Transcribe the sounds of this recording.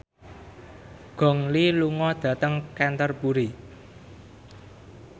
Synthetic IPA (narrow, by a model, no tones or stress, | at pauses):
ɡ̥ɔ̤ŋliluŋɔd̪̥ä̤t̪əŋkɛnt̪ərpuɾi